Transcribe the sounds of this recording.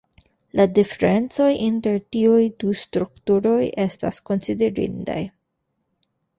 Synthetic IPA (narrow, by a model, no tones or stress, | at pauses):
ladifeɾe̞nt͡so̞jʔinte̞ɾtiujdustɾuktuɾo̞jʔe̞sta̰sko̞nsideɾḭnda̰j